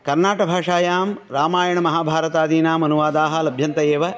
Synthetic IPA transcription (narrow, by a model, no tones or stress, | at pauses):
kɐɾnaːʈɐbʱaːʂaːjaːmɾaːmaːjɐɳɐmɐɦaːbʱaːɾɐt̪aːd̪iːnaːmɐnuʋaːd̪aːɦɐlɐbʱjɐnt̪ɐjeːʋɐ